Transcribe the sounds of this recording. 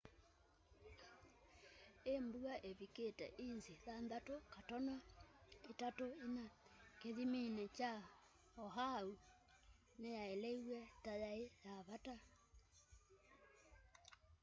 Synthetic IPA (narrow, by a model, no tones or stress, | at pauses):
embuaʔeβiketɛ̰ʔinziðanðatokatɔnɔetatoenakeðiminet͡ʃa | ɔɦau | nejaelɛiwɛtajaejaβata